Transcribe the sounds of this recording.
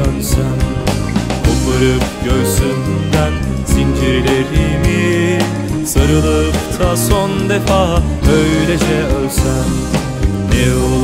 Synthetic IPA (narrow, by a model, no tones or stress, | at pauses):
ønsæn | olːaɾɯpɟøjsynd̪ænz̥ind͡ʒiɾlʲeɾimi | saɾɯlˠɯkt̪ʰasond̪efaɦ | øjlʲɛd͡ʒɛølʲsæn | ɛo